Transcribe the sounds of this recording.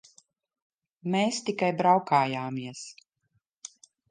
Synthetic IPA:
meːst̪ikajbɾawkaːjaːmiɛs

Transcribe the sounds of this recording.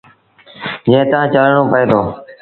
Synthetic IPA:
d͡ʒẽːt̪əãːt͡ʃəlɳoːpəeːd̪oː

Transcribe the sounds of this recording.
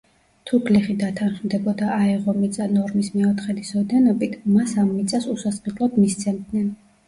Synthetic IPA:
t̪ʰuɡliχid̪at̪ʰanχmd̪ɛbɔd̪aʔaɛʁɔmit̪sʼanɔɾmismɛɔt̪χɛd̪isɔd̪ɛnɔbit̪ʰmasamːit̪sʼasusasqɛlˠɔd̪mist̪sʰɛnd̪nɛn

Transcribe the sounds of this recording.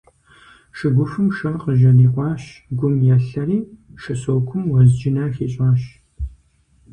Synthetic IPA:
ʃɨɡʷʊfɨmʃɐrqəʒɐniːqʷɑːɕɡʷʊmjɛɬɐɾiːʃɐsoːwkʷʰʊmwɐzd͡ʒɪnaːxeːt͡ʃʼaːɕ

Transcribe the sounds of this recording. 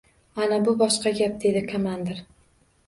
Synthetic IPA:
anabʊbɒʃqɑɡʲap̚d̪e̞d̪ɪkʰamand̪ɪɾ

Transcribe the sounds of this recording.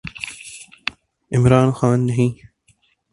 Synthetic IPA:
ɪmɾɑːnxɑːnːɐɦĩː

